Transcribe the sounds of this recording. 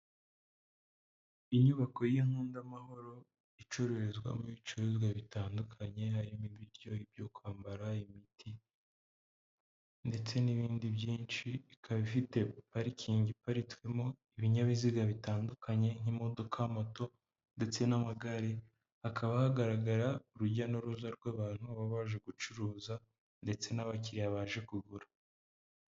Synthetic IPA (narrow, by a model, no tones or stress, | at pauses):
iɲuβako̞jiŋ̥huːndamaho̞ɾo̞ | it͡ʃoɾe̞ɾezɡwa̰muit͡ʃuezɡaβitaːndukʰaɲe̞ɦaɾimiβiɾjo̞ibjokwaːmbaɾaimitʰi | nde̞t͡se̞niβiːndibjiːnt͡ʃiikʰaβifite̞paɾicʰiːɲɟipaɾitu̥ɾimo̞iβiɲaβiziɡaβitaːndukʰaɲe̞n̥imo̞do̞kʰamo̞to̞ | nde̞t͡se̞namaɡaɾe | akʰaβahaɡaɾaɡaɾauɾuɟanoɾuzaɾɡwaβaːn̥huβaβaːʒe̞ɡut͡ʃuɾuːza | nde̞t͡se̞naβaciɾiaβaːʒe̞kuɡuɾa